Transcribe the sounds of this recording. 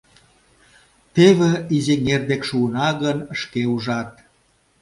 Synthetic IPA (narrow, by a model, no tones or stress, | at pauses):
t̪eβĕizeŋerd̪ekʃuənɑɣənəʃkeuʒɑt̪̚